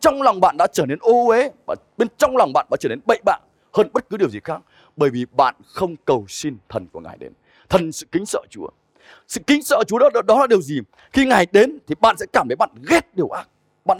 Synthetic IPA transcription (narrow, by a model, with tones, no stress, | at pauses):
t͡ɕɔ˧wŋ͡mlɔ˨˩wŋ͡mɓa̰ː˧˨nɗa̰ː˧˥t͡ɕəː˧˩ne˧nʔo˧e˨˦va̰ː˨˩ɓe˧nt͡ɕɔ˧wŋ͡mlɔ˨˩wŋ͡mɓa̰ː˧˨nɗa̰ː˧˥˩t͡ɕəː˧˩ne˧nɓə̰˧˨jɓa̰ː˧˨n | həː˧nɓə˦˥t̚kɨ˨˦ɗi˨˩əwzi˨˩xaː˦˥k̚ | ɓəː˧˩jvi˨˩ɓa̰ː˧˨nxə˧wŋ͡mkə˨˩wsi˧nt̪ʰə˨˩nku˧˩əŋa̰ː˨˩jɗḛ˨˦n | t̪ʰə˨˩nsɨ̰˧˨kï˨˦ŋ̟sə̰ː˧˨˩t͡ɕu˨˦ə | sɨ̰˧˨kï˨˦ŋ̟sə̰ː˧˨˩t͡ɕu˨˦ɔ˨˦˨ɗɔ˨˦laː˨˩ɗi˨˩əwzi˨˩ | xi˧ŋaː˨˩jɗe˨˦nt̪ʰi˨˩ɓa̰ː˧˨nsɛ̰˧˥kaː˧˩mt̪ʰːjɓa̰ː˧˨nɣɛ˦˥t̚ɗi˨˩əwʔaː˦˥k̚ | ɓa̰ː˧˨